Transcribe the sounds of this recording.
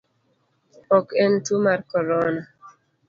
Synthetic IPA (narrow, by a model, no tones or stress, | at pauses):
ɔkɛntumarkɔɾɔna